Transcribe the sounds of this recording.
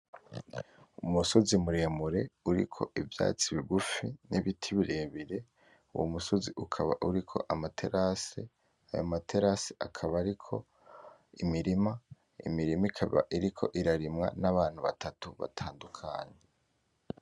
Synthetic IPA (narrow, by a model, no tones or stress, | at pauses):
umuso̞zimuɾeːmuɾe̞uɾḭkʰo̞̰ʔivja̰ːt͡siβiɡufiniβitʰiβiɾeβiɾe̞ | uwo̰muso̞ziʔukʰaβa̰ʔuɾikʰo̞ʔamatʰe̞ɾʔase | ajomatʰe̞ɾaseʔakʰaβaɾikʰo̞̰ | imiɾima | ḭmiɾimikʰaβa̰ʔiɾikʰo̞̰ʔiɾaɾimŋa̰naβaːn̥huβa̰tʰatuβa̰tʰaːndukʰaːɲe